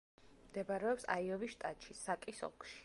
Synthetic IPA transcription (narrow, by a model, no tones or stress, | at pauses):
md̪ɛbaɾɛɔpsa̰iɔviʃt̪ʼat̪ʼʃisakʼisɔ̰kʰʼʃi̥